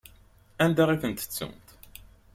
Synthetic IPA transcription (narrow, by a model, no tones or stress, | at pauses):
ænd̪aʁifənt̪ə̥t͡sːə̰mt̪